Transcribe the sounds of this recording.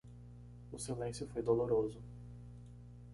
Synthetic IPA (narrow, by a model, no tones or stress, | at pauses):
ʊsilẽsjʊfojd̪oloɾozʊ